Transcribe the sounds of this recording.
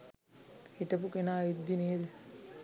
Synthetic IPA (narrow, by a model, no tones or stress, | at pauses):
eʈɐpukenaːid̪ːineːl